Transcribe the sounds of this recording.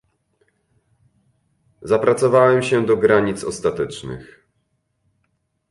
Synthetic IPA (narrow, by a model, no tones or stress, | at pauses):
zapɾat̪sɔvawɛmɕɛd̪ɔɡɾaɲit̪sɔst̪at̪ɛt͡ʂnɘ̰x